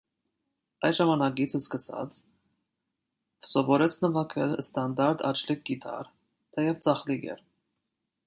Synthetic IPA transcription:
ɑjʒɑmɑnɑkit͡sʰəskəsɑ̰t͡sʰ | fsɔvɔɾɛt͡sʰnəvɑkʰɛlst̪ɑnd̪ɑɾt̪ɑ̰t͡ʃʰlik̚ɡit̪ʰɑ̰ɾ | t̪ʰɛjɛvt͡sɑχliɡɛ̰ɾ

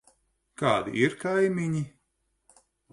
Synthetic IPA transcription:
kaːd̪ḭʔiɾkajmʲiɲi

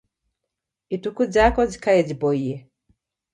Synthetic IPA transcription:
itukud͡ʒakɔzi̥kajɛd͡ʒipɔiɛ

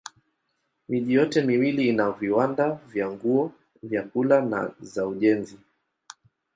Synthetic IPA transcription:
miʄijɔtɛmiwiliːnaviwandavjaŋɡuɔ | vjakulana̰zauʄɛnzi

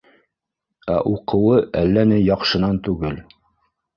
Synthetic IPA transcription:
æ̰ʔuqɤ̆wɤʔælːænɘjɑqʃɤ̆nɑnt̪ʉɡɘl

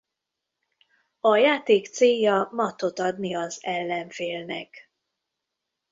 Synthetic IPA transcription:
ɒjaːt̪eːkt̪seːjɒmɒt̪o̞t̪ɒd̪niɒzɛlːɛɱfeːlnɛ̰k

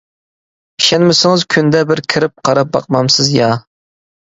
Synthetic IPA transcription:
iʃɛnmɪsɪŋɨzkʲʰynd̪ɛbɪɾkʲʰɪɾɪp̚qʰɑɾɑp̚bɑ̰q̚mɑmsɨzjɑ

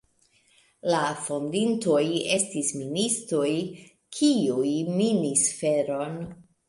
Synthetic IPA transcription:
lafo̞ndinto̞je̞stisministɾoj | kʰiujminisfe̞ɾo̞n

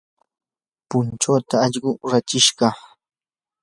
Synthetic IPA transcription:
pʊnt͡ʃoːt̪aːʎɢʊɾat͡ʃɪʃɢɑ

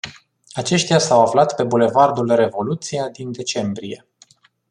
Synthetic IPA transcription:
at͡ʃe̞ʃt̪jasawaflat̪pe̞bule̞vard̪ulre̞vo̞lut̪siad̪ind̪e̞t͡ʃe̞mbɾije̞

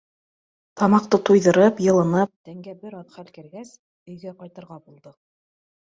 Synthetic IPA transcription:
t̪ɑmɑq̚t̪ɤt̪ujðɤ̆ɾɤpjɤ̆lˠɤ̆nɤp̚t̪æŋɡæbɘɾɑðχælkɘ̆ɾɡæs | ɵ̆jɡæqɑjt̪ɤ̆ɾʁɑbulˠd̪ɤ

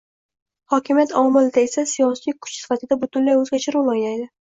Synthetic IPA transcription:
hɒkʲʰɪmjat̪ɒmɪld̪aesasijɒsijkʰʊ̥t͡ʃsɪ̥fat̪ʰɪd̪abʊt̪ʰʊnlajɵzɡʲat͡ʃʰɪɾulˠɒjnajd̪ɪ

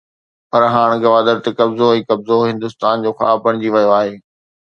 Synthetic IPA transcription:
pɐɾɦaːɽ̃ɡɐʋaːd̪əɾt̪ekɐbzoĩːkɐbzoɦɪ̃nd̪ʊst̪aːnd͡ʑoːxa̰ːbɐɽ̃d͡ʑiʋɐjoaːɦeː

